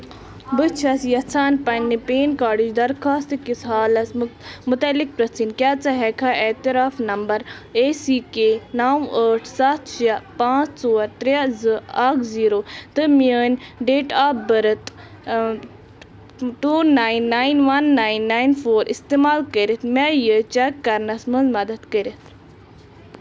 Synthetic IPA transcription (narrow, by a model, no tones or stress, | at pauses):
bɨt͡ʃʰɐsjɐt͡sʰaːnpɐnːipeːnkaːɽid͡ʒd̪ɐɾxaːst̪ikisɦaːlɐsmʊt̪ɐlːik̚pɾɐt͡sʰinkjaːt͡sɐɦɛkʰaʔet̪iɾaːfnɐmbɐɾeːsiːkeːnaːwəːʈʰsat̪ʰt͡ʃijapãːt͡sʰsoːɐɾt̪ɾjazɨaːkʰziːɾoːt̪ɨmiəːnʲɖeːʈaːbbɐɾɐt̪ | ʈuːnaːjnːaːjinʋɐnːaːinːaːjnfoːɾʔḭst̪eːmaːlkəɾit̪majət͡ʃɛkːɐɾnɐsmɐnzmɐd̪ɐt̪kəɾit̪ʰ